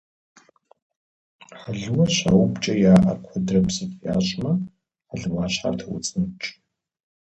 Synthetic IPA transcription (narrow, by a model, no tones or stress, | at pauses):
ħaɮɨwɐɕa̰wbt͡ʃʼɐjaːʔɐkʷʰɔdrɐpsɨtʼja̰ːɕʼmɐ | aɮɨmaːɕħa̰rtʰɐwʊ̰t͡sʼnɨt͡ʃʼ